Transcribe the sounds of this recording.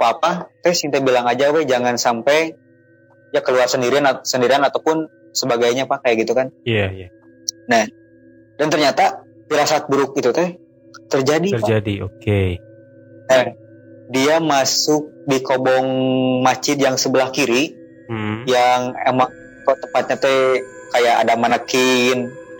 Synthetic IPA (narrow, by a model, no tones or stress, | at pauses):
apaːpat̪ɛhsint̪abilaŋad͡ʒavɛhd͡ʒaŋansampaj | jakəluarsəndiɾianasəndiɾianat̪awpʊn | səbaɡajɲapakajaɡit̪ukaniaja | nɛh | dant̪ərɲat̪a | piɾasat̪̚bəɾʊk̚it̪ut̪ɛh | t̪ərd͡ʒadiəad͡ʒadio̰ke | nɛh | diamasʊk̚dikobɔŋmat͡ʃɪt̪jaŋsəbəlahkiɾi | m̩jaŋemaŋ | kt̪əpat̪̚ɲat̪ɛjkajaʔa̰damanakɪn